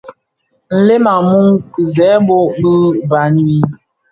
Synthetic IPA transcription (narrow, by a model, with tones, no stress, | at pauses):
n̩˨le˦ma˨mu˦ŋ˨zɛː˨˦bo˦bɨ˦ba˨ni˦wi˦